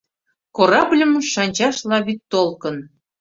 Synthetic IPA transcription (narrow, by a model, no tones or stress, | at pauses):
koɾɑblʲə̆mʃɑnʲt͡ɕɑʃlɑβit̪t̪olkə̆n